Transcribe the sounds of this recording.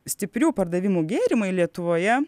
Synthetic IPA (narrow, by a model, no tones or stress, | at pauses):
sʲt̪ʲɪpʲɾʲuːpɐɾd̪ɐʋʲɪmuːɡʲeːɾʲɪmɐɪlʲiɛt̪ʊʋoːjɛ